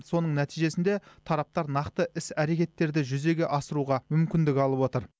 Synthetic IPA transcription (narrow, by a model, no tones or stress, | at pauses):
so̞nəɴnæt̪ijʒe̞sɪnd̪e̞t̪ʰɑɾɑp̚t̪ɑɾnɑqt̪əʔɪsæɾe̞kʲe̞t̪ːe̞ɾd̪ɪʒʏze̞ɡʲe̞ʔɑsəɾuʁɑmʏmkʲɪnd̪ɪkʲɑlˠəpwo̞t̪əɾ